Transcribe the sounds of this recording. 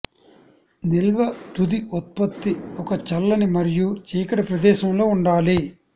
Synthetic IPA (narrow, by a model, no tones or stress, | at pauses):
nilʋɐʈud̪iot̪̚pɐt̪ːiɔkɐt͡ʃɐlːɐnimɐɾijut͡ʃiːkɐɽɐpɾɐd̪ɛːʃɐmlo̞ːuɳɖaːli